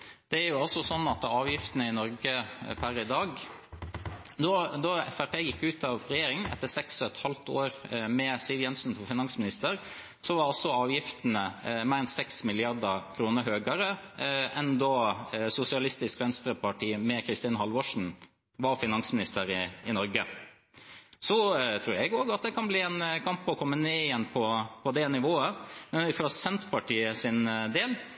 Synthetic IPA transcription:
d̪̥ɛæɾjʊɑlsɔsɔnːɑt̪ɑːʋjɪft̪ənəɪnɔɾɡəpʰæɾɪd̪ɑːɡ | d̪ɔd̪ɔɛ̰fæɾpeːjɪkːʉːt̪ʰɑʋɾɛjeːɾɪŋənɛ̰t̪ːəsɛksɔɛt̪hɑlt̪oːɾmɛsiʋ̪jɛnsn̩fɔfɪnɑŋsmɪnɪst̪əɾ | sɔʋɑɾɑlsɔɑːʋjɪft̪ənəmeːɾɛnsɛksmɪlɪɑɾd̪əkʰɾuːnəɾhøːɡɑɾəʔɛnd̪ɔsʊsɪɑlɪst̪ɪskʋɛnst̪ɾəpʰɑʈiːmɛkʰɾɪst̪iːnɦɑlʋɔʂɳ̩ | ʋɑɾfɪnɑŋsmɪnɪst̪əɾɪɪnɔɾɡə | sɔt̪ʰɾʉːɾɛɡoːɡɑt̪̚d̪ɛkʰɑnbliːɛnkʰɑmpːɔɔkʰɔmːəneːɪjɛnːpʰɔpʰɔd̪ɛnɪʋoːəmɛnɪføsɛnt̪pɑʈiːəsɪnd̪eːl

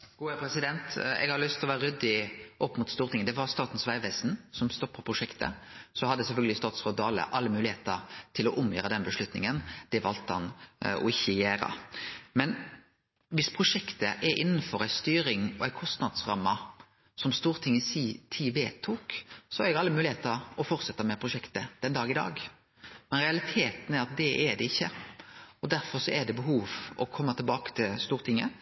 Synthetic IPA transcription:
ɡ̥uːɛpʰɾɛsɪd̪ɛnt̪ɛ̰ɡhɑɾlʏst̪ʰɪlɔʋæːɾəɾʏd̪ːɪʔɔpːmʊt̪st̪uːʁt̪ʰɪŋːəd̪ɛʋɑɾst̪ɑːt̪n̩sʋæɪʋæɪsn̩sɔmst̪ɔpːɑpʰɾʊʂɛkt̪ə̰sɔhɑd̪ːəsɛlfœlɡ̪əlɪst̪ɑːt̪sʁɔd̪ɑːlə̰ʔɑlːəmʉːlɪheːt̪əɾt̪ʰɪlɔʔʊmjøːɾəd̪ɛnbəʂlʉt̪nɪ̰ŋənd̪̥ɛʋɑlt̪əhɑnɔ̰ɪçːəjæːɾə̰mɛn | ʋɪspʰɾʊʂɛkt̪əʔɛɾʔɪnːəfɔɾæɪst̪yːɾɪŋɔæɪkʰɔst̪nɑd̪sɾɑmːɑ | sɔmst̪uːɾt̪ʰɪŋːəsiːt̪ʰiːʋeːt̪ʰuːksɔhɑɾɛɡɑlːəmʉːlɪheːt̪əɾɔfɔɾt̪sɛt̪ːɑmɛpʰɾʊʂɛkt̪əd̪̥ɛnd̪ɑːɡɪd̪ɑ̰ːɡ | mɛnɾɛɑlɪt̪ʰeːt̪ənæɾɑt̪̚d̪ɛʔɛd̪ɛɪçːə | ɔd̪æɾfɔɾsɔʔɛɖ̪ɛbəɦuːʋɔkʰɔmːət̪ʰɪlbɑːkə̥t̪ʰɪlst̪uːɾt̪ʰɪŋːə̰

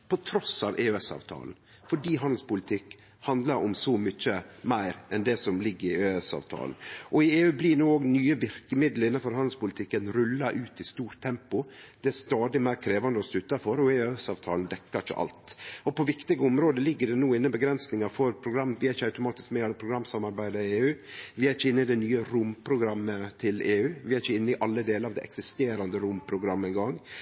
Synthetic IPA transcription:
pʰɔt̪ʰɾɔsɑ̰ʋʔeːøɛsɑ̰ːʋt̪ʰɑ̰ːln | fɔɖiːɦɑnd̪l̩spʊlɪt̪ʰɪkː | hɑnd̪lɑɾʔʊmsɔmʏçːəmæɪɾʔɛnd̪ɛsɔmlɪɡːəɾɪeːɛsɑ̰ːʋt̪ʰɑ̰ːln̩ʔɔɪeːʉːblɪnuːoːɡnyːəʋɪɾkəmɪd̪l̩ɪnːɑnfɔɾhɑnd̪lspʊlɪt̪ʰɪkːənɾʉlːɑɾʔʉːt̪ɪst̪uːɾtt̪ʰːɛmpʊd̪̥ɛæɾst̪ɑːd̪ɪmæɪɾkʰɾeːʋɑnd̪əɔslʉt̪ːɑfɔɾɔeːsɑːʋt̪ʰɑːlnd̪ɛkːɑɾə̰ʔɑ̰lt̪ɔpʰɔʋɪkt̪ɪɡəʊmɾoːd̪əlɪɡːəɖɛnuːɪnːəbəɡɾɛnsnɪŋɑɾfɔɾpʰɾʊɡɾɑmːəʋɪæɾɪçəɑʉt̪ʊmɑːt̪ɪskmɛːɑlːəpʰɾʊɡɾɑmsɑmɑɾbæɪd̪əɾɪeːʉːʋɪæɾɪçəɪnːəɪd̪ɛnyːəɾʊmpʰɾʊɡɾɑmːət̪ʰɪleːʉːʋɪæɾçəɪnːəɪʔɑlːəd̪eːləɾɑʋd̪ɛ̰ʔɛ̰ksɪst̪eːɾɑnd̪əɾʊmpʰɾʊɡɾɑmːəɛnɡɑŋː

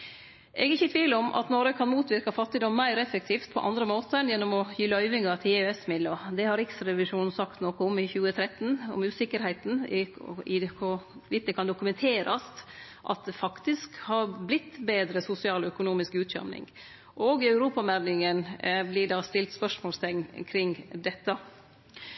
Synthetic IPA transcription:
ʔɛɡɪçːət̪ʰʋiːləɔmʔɑ̰t̪nɔɾəkʰɑnmuːt̪ʋɪɾkɑfɑt̪ːɪd̪ɔmːæɪɾɛfɛk̚t̪ʰiːft̪̚pʰɔ̰ʔɑ̰nd̪ɾəmoːt̪ənjɛnːɔmɔjyːlœʏʋɪŋɑɾt̪ʰɪɛsmɪd̪ɔd̪ɛhɑɾɪksɾɛʋɪʂuːnn̩sɑkt̪noːkəʊmɪçʉːət̪ʰɾɛt̪nɔ̰mʉːsɪkːəɾhæɪt̪n̩ɪɪkʰʊʋɪt̪d̪ɛkʰɑnd̪ʊkʉmɛnt̪ʰeːɾɑ̰st̪ | ʔɑ̰t̪̚d̪ɛfɑkt̪ɪskhɑɾblɪt̪ːbeːd̪ɾəsʊsɪɑːlɔœkʊnuːmɪskʉːt̪ɕœ̰mnɪ̰ŋ | ʔoːɡɪœʉɾuːpɑmæɾnɪŋənblɪɖɑːst̪ɪlt̪spœʂmoːlst̪ʰɛɪŋkʰɾɪŋd̪ɛt̪ːɑ

